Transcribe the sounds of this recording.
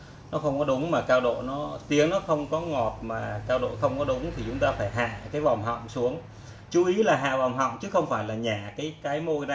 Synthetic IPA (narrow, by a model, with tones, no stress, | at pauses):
nɔ˨˦xə˧wŋ͡mkɔ˨˦ɗʊ˨˦ŋ͡mmaː˨˩kaː˧wɗo̰˧˨nɔ˨˦t̪i˨˦əŋnɔ˨˦xə˧wŋ͡mkɔ˨˦ŋɔ˨˩t̚maː˨˩kaː˧wɗo̰˧˨jxə˧wŋ͡mkɔ˨˦ɗʊ˨˦ŋ͡mt̪ʰi˨˩t͡ɕʊ˨˦ŋ͡mt̪aː˧faː˧˩jɦa̰ː˧˨kaː˨˦jva˨˩wŋ͡mɦɔ̰˧˨wŋ͡msu˨˦əŋ | t͡ɕu˨˦ʔi˨˦laː˨˩ɦa̰ː˧˨va˨˩wŋ͡mɦɔ̰˧˨wŋ͡mt͡ɕɨ˨˦xə˧wŋ͡mfaː˧˩jlaː˨˩ɲaː˧˩kaː˨˦jkaː˨˦jmo˧jna˧